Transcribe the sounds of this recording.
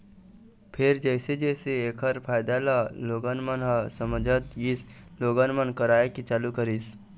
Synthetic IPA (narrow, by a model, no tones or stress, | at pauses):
pʰɪɾd͡ʒəɪsed͡ʒɛɪseeːkʰəɾpʰaːɪd̪alaloːɡanmənɦasəməd͡ʒʱət̪jɪsloːɡanmənkəɾaːekit͡ʃaːlukəɾis